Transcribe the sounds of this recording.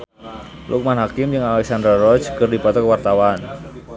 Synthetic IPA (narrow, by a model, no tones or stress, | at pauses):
lʔṵk̚manɦakɪmd͡ʒɨŋalɛksand̪ɾaɾɔ̥t͡ʃkərdipɔt̪ɔkwart̪awan